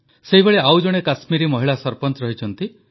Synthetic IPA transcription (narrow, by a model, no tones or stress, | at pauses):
seɦibeɭeawd͡ʒɔɽ̃ekasmiɾimɔɦiɭasɔɾpɔnt͡ʃɾɔɦit͡ʃʰɔnt̪i